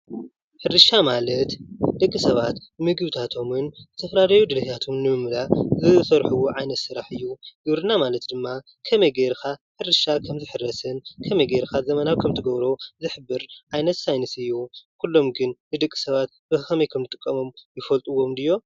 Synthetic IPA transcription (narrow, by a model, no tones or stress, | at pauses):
ħɨɾɨʃamalɐt̪d̪̥ɐkʼːisɐβat̪mɨɡɨβɨt̪ʰat̪ʰo̞mɨnzɨt̪ʰɐfɾaɾɐjud̪ɨlɐhʰat̪ʰomnɨmɨmlazɨsɐɾħuwoʕajnɐt̪sɨɾaħɨjːuɡ̥ɨβɾɨnamalɐt̪d̪ɨmːa | kʰɐmɐjɡeɾkʰaħɨɾɨʃakʰɐmzɨħɨrːɐsɨnkʰɐmejɡeɾkʰazɐmɐnawkʰɐmt̪ʰɨɡɐβɾo̞zɨħɨbːɨɾʕajnɐt̪sajnɨsɨjːukʰulːo̞mɡɨnnɨd̪ɐkʼːi̥sɐβat̪bɨxɐmɐjkʰɐmzɨt̪ʼɨkʼːɐmo̞mjɪfɐlt̪ʼuwo̞md̪ɨjːo̞